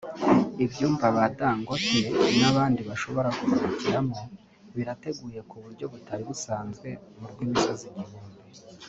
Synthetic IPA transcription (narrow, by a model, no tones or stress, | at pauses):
ibjuːmbaβadaːŋɡotenaβaːndiβaʃo̞βo̞ɾakuβuɾaciɾamo̞ | βiɾate̞ɡuːje̞kuβuɾɟo̞βutaɾiβusaːnzɡwe̞muɾɡwiːmisoziɟiβuːmbe